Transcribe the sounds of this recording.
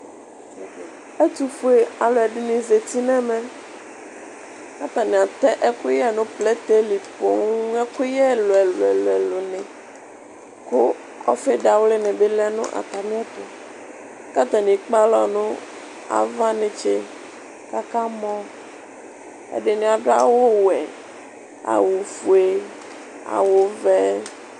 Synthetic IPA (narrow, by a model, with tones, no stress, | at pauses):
e˦t̪u˦fu˦e˨a˨lo˨ɛ˨ɖe˨nĩ˨ze˨t̪i˦nɛ̃˦mɛ̃˦ | ka˦t̪a˨nĩ˨a˨t̪ɛ˦ʔɛ˦ku˦jɛ˦nũ˦plɛ˦t̪e˦li˨po˨ŋu˦ɛ˦ku˦jɛ˦lo˨ɛ˨lo˨ɛ˨lɛ˨lo˨nẽ˨ | ko˦ | ɔ˦fe˦ɖa˨wle˦nẽ˨be˦lɛ˦nṵ̃˦ʔa̰˨t̪a˨mĩ˦a˦t̪o˨ | ka˦t̪a˨nĩ˨k͡pa˦lɔ˨nũ˦ | a̰˨va˦nẽ˨t͡ʃe˦ | ka˦ka˦mɔ̃˦ | ḛ˦ɖe˨nĩ˨a˨ɖa̰˦wo˦wɛ˨ | a̰˨wo˨fu˨e˨ | a̰˨wo˨vɛ˦